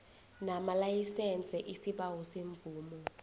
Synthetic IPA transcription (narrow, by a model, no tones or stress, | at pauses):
namalajisɛnt͡sʼɛʔisiɓawɔseɱvʱuːmɔ